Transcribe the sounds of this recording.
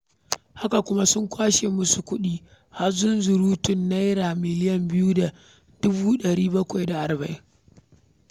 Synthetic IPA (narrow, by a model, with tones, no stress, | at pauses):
ha˦ka˨kʷʊ˦ma˦sʊ˦ŋkʷaː˦ʃeː˨mʊ˦su˨kʷʊ˦ɗiː˦ | ha˦zʊ˦nzʊ˨ɾuː˦tʊ˦˨nːa˦jɾaː˨mɪ˨lɪ˦jɐ˨mbɪ˦ju˦da˨ | d̥ʊ˦buː˦ɗɐ˨ɽiː˦bɐ˦kʷa˨jda˨ʔa˨ɾbɐ˨ʔɪ˦